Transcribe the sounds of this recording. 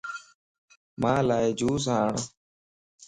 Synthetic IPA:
mãːlaːed͡ʒuːs̬ãːɳ

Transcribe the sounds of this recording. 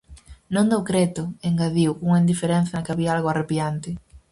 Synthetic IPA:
nõnd̪owkɾet̪ʊeŋɡaðiwkuŋaind̪ifeɾen̟θaɐkaβiaalɣoarepjant̪ɪ

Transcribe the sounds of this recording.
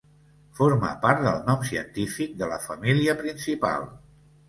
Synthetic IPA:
foɾmə̰paɾt̪̚d̪əlˠnɔmsiə̰nt̪ifik̚d̪ələ̰fəmiliəpɾinsipa̰lˠ

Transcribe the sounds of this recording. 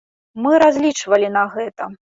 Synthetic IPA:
mɨɾazʲlʲit͡ʂvɐlʲinɐɣɛt̪ɐ

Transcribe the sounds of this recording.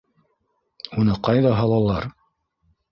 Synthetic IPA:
unɤqɑjðɑɦɑlˠɑlˠɑɾ

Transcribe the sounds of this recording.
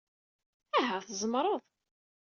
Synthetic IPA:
æɦæθzˤəmɾˤɑðˤ

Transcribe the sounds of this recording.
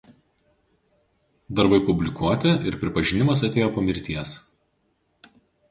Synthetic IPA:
d̪ɐɾbɐɪpʊbʲlʲɪkuɔt̪ʲɛʔɪɾpʲɾʲɪpɐʒʲɪnʲɪmɐsɐt̪ʲeːjoːpɐmʲɪɾʲt̪ʲiɛs

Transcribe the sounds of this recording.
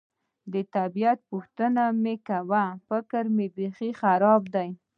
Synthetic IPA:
d̪ət̪abijat̪̚puxt̪ənamekawafɪkəɾmebexixaɾɑbd̪aj

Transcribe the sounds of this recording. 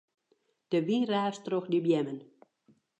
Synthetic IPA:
d̥əʋiraːstroxdibjɛmən

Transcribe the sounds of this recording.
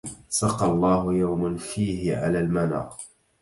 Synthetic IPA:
sɑqɑlˤːɑːɦʊjawmanfiːhɪʕa̰laːlmana̰ːq

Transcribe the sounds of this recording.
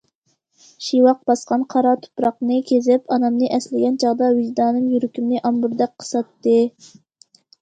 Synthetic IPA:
ʃiwɑq̚bɑsqɑnqʰɑɾɑt̪ʰu̥pɾɑqnɨkʲʰezɪpɑnɑmnɨʔɛslɪɡʲɛnt͡ʃʰɑʁd̪ɑwid͡ʒd̪ɑːnɨŋjyɾykʲimnɨʔɑmbuɾd̪ɛk̚ʲqʰːə̥sɑt̪ːɨ

